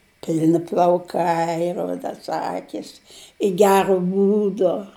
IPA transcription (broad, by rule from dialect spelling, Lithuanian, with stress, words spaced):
ˈpʲɪlʲnʲɪ plˠɐʊˈkɐɪ ˈrʊdɐs ˈɑːkʲɪs ɪ ˈɡʲæːroː ˈbuːdoː